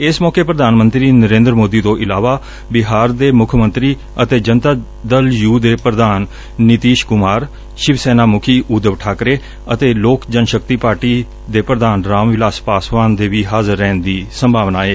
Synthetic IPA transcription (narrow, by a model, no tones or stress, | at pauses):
ɪsmɔːkeːpɾəd̪aːnmənt̪ɾiːnəɾẽːnd̪ɾəmoːd̪iːt̪õːʔɪlaːʋaː | bɪɦaːɾd̪eːmʊkʰmə̃nt̪ɾiː | ət̪eːd͡ʒənt̪aː | d̪əljuːd̪eːpɾəd̪aːnː | ɪt̪iːʃkʊmaːɾ | ʃɪʋsɛːnaːmʊkʰiːʔuːd̪əʋʈʰaːkɾeː | ət̪eːloːkd͡ʒənʃək̚t̪iːpaːɾʈiː | d̪eːpɾəd̪aːnɾaːmʋɪlaːspaːsʋaːnd̪eːʋiːɦaːzəɾːɛ̃ːnd̪iːsəmbʱaːʋnaːeː